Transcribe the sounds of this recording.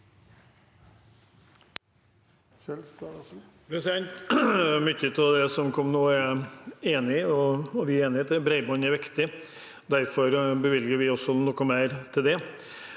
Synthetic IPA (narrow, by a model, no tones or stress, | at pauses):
sɛlst̪ | bɛsɛnt̪mʏçːət̪ʰɪld̪ɛsɔmkʰɔmnoːæɾeːnɪɔːʋɪæɾeːnɪət̪ʰɪbɾɛɪbɔnæɾʋɪkt̪ɪ | d̪æɾfɔɾbəʋɪlɡəɾʋɪɔsːɔnɔkːɔmæɪɾt̪ʰɪld̪ɛ